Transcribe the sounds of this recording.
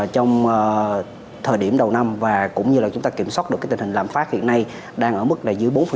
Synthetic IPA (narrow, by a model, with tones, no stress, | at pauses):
t͡ɕɔ˧wŋ͡mː | t̪ʰəː˨˩jɗi˧˩əmɗə˨˩wna˧mvaː˨˩kʊ̰˧˥ŋ͡mɲɨ˧laː˨˩t͡ɕʊ˦ŋ͡mt̪aː˧ki˧˩əmswaː˦˥t̚ɗɨ˨˩kːaː˨˦jt̪hï˨˩ŋ̟laː˨˩mfaː˦˥t̚hḭ˧˨ənːa˧j | ɗaː˧ŋʔəː˧˩mɨ˦˥k̚laː˨˩zɨ˨˦əjɓo˨˦nf